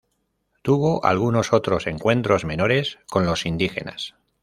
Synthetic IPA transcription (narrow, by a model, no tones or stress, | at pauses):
t̪uβoʔa̰lɣ̞uno̞so̞t̪ɾo̞se̞ŋkwẽ̞nt̪ɾo̞zmẽ̞no̞ɾe̞sko̞nlo̞sind̪ixe̞̰na̰s